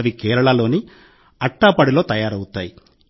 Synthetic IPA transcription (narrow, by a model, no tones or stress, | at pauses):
ʋikɛːɾɐɭɐlo̞ːni | ɐʈːapɐɽilo̞ːt̪ɐjaːɾɐwut̪aːji